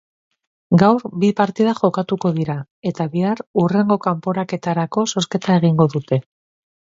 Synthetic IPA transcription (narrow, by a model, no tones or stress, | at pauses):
ɡawɾbipaɾt̪ið̞aʝo̞kat̪uko̞ðiɾa | e̞t̪aβiarure̞ŋɡo̞kampo̞ɾake̞t̪aɾako̞so̞ske̞t̪ae̞ɣ̞iŋɡo̞ðut̪e̞